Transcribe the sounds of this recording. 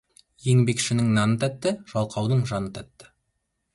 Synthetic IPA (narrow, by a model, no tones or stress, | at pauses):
je̞ŋbe̞kʃɪnɪŋnɑnət̪ʰæt̪ːɪʒ̥ɑlˠqʰɑwd̪əɴʒɑnət̪ʰæt̪ːɪ̥